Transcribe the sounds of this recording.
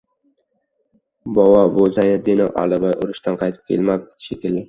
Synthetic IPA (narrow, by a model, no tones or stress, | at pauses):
bɒwɒbozajad̪enʔa̰lɪvajʔʊɾɪʃt̪ʰanqʰɑjt̪ʰɪ̥p̚kʲʰḛlmap̪̚ʃekʲɪld̪ɪ